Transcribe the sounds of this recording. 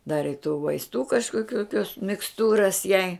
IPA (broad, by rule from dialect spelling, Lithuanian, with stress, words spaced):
ˈdɑːrʲɪ ɪ tuː ʋɐɪsˈtuː kɐʃkoːˈkʲuː kʲoːs mʲɪksˈtuːrɐs jɛɪ